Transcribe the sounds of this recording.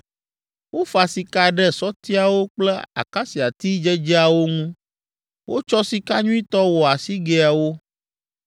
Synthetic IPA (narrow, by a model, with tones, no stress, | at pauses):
wo˦fa˨si˨ka˦ɖɛ˦sɔ˦t̪i˦a˨wo˦k͡plɛ˦a̰˨ka˦si˨a˨t̪i˦d͡ʒɛ˦d͡ʒi˦a˨wo˦ŋũ˦ | wʔo˦t͡ʃɔ˦si˨ka˦ɲũ˦i˦t̪ɔ˦wɔ˨a˨si˦ɡe˦a˨wo˦